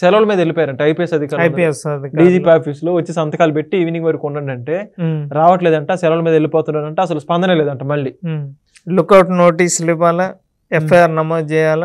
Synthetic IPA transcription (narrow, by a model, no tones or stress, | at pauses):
sɛlɐʋlɐmiːd̪ɐelipɔːjaːɾɐɳʈeɐjpijesɐd̪ʱikaːɾiesd̪ɖiːd͡ʒiːpiaːpʰiːsloːʋɐt͡ʃːisɐnt̪ɐkaːlupe̞ʈːiːʋiniɡʋɐɾikuɳnːɐɳɖɐɳʈe̞ːɾaːʋɐʈ̬leːd̪ɐɳʈaːsɛlɐʋlɐmiːd̪ɐelːipoːt̪unɖaːɾɐɳʈeːɐs̬ɐluspɐnd̪ʱɐnɐleːd̪ɐɳʈaːmɐɭːi | lukɐwʈnoːʈiːslipaːlɐ | eɐjaːɾnɐmoːd̪t͡ʃɛːjaːlɐ